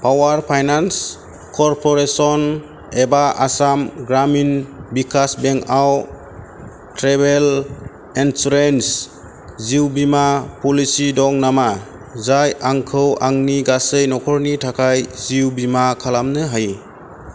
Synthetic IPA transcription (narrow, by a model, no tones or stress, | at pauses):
pʰawaɾpʰajnans | kɔɾpʰɔɾesɔn | ebaʔasamɡɾaminbikʰasbeŋkaw | tʰɾebel | ɛnsɾens | ziwbimapɔlisidɔŋnama | zajaŋkʰɯwaŋniɡasɯjnɔkʰɔɾnitʰakʰajziwbimakʰalamnɯɦaj